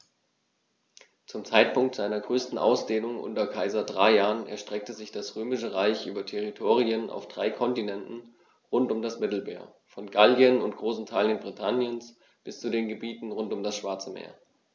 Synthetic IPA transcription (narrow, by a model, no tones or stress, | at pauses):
t͡sʊmt͡saɪt̚pʰʊŋktz̥aɪnɐɡʁøːstn̩ʔa̰ʊsd̥eːnʊŋʔʊ̰ntɐkʰaɪzɐdʁaɪjaːʁənɛ̰ɐʃtʁ̥ɛk̚təzɪçd̥asʁøːmɪʃəʁaɪçʔy̰ːbɐtʰɛʁitʰoːʁiənʔa̰ʊfd̥ʁaɪkʰɔntinɛntn̩ | ʁʊntʊmdasmɪtl̩mḛːɐ | fɔnɡaliənʊntɡ̥ʁoːsntʰaːljənbʁitʰanjəns | b̥ɪst͡sudeːnɡəbiːtn̩ʁʊntʊmdasʃv̥aɐt͡səmḛːɐ